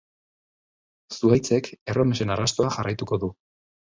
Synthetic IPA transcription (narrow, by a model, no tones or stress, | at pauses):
suajt͡se̞ke̞ro̞mese̞narast̪oaxarajt̪uko̞ðu